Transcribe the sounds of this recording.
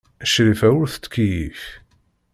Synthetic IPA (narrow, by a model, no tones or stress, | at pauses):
æʃɾifæwʊɾθə̥t̪ːkijif